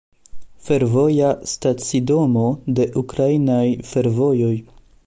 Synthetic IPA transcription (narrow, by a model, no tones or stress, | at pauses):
fe̞ɾvo̞jastat͡sido̞mo̞de̞ʔukɾainajfe̞ɾvo̞jo̞j